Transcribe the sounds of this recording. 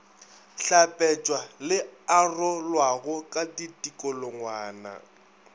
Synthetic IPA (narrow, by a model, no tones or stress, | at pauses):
ɬapʼɛt͡ʃʼwalɪarɔlwaɣʊkʼaditʼikʼɔlɔŋwaːna̰